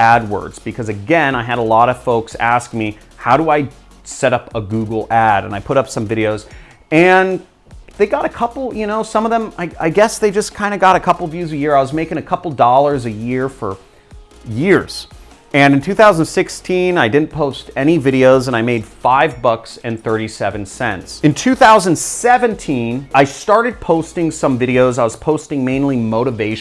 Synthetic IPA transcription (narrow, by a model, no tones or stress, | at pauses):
ʔæd̚wɜ̰˞dz̥b̥ɨkʰʌzɨɡɛ̃naɪɨɾəlɔɾʌv̥foʊksæsk̚mi | haʊɾəaɪ | sɛɾʌpəɡuɡl̩ˠæɾɨ̰̃naɪpʰʊɾʌpsʌ̃ɱvɪɾioʊz̥ | ɨ̃n | ðeɪɡɑɾɨkʰʌpl̩ˠjɨnoʊsʌ̃mʌvðə̃maɪa̰ɪɡɛsðeɪd͡ʒʌskʰãɪ̃ndɨɡɑɾɨkʰʌpl̩ˠʌvjʉzɨjɪɹaɪwʌzmeɪkɪ̃ŋɨkʰʌpl̩ˠdɔlˠə˞zɨjɪɹfə̰˞ | jɪɹz̥ | ɨ̃nɨ̃ntʰʉθaʊz̃n̩sɪkstʰĩnaɪdɪdⁿn̩pʰoʊstɛñivɪɾioʊzə̃ñaɪmeɪd̥faɪvbʌksɨ̃nθɜ˞ɾisɛvɨ̃nsɛ̰̃ntsɨ̃ntʰʉθaʊzɨ̃n̩dsɛvɨ̃ntʰĩnaɪstɑɹɾɨd̚pʰoʊstɪ̃ŋsʌ̃ɱvɪɾioʊzaɪwʌz̥pʰoʊstɪ̃ŋmẽɪ̃nlimoʊɾɨveɪʃ